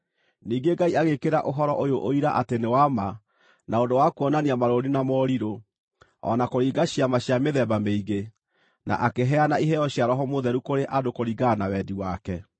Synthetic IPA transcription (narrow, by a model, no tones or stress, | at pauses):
niːɡeɡaiaɣekeɾaʔoɦɔɾɔʔojoʔoiɾaʔatenewama | naondowakuɔnaniamaɾoɾinamɔɾiɾo | ɔ̰nakoɾiːɡaɕiamaɕjameðɛbameiɣe | na̰ʔakeɦɛanaiɦɛɔɕjaɾɔɦɔmoðɛɾukoɾeʔadokoɾiɡanawɛdiwakɛ